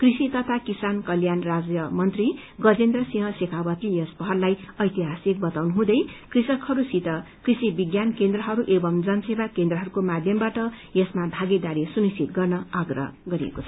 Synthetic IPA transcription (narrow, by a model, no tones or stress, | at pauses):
krisit̪ʌt̪ʰakisankʌljanrad͡zjʌmʌnt̪ri | ɡʌd͡zend̪rʌsĩɦʌ̃sekʰabʌt̪lijʌspʌɦʌrlajʌjt̪iɦasik̚bʌt̪awnuɦũd̪ʌjkrisʌkhʌɾusit̪ʌ | krisibiɡjankend̪rʌɦʌɾuʔebʌmd͡zʌnsebakend̪rʌɦʌɾukomad̪ʱjʌmbaʈʌ | jesmabʱaɡed̪aɾisunist͡sʰit̪̚ɡʌrnʌaɡrʌ̰ʌ̰ɡʌɾiḛkot͡sʰʌ